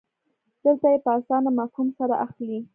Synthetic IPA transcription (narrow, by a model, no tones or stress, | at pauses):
d̪̥əlt̪ajepəasɑnamafhumsaɾaʔaxli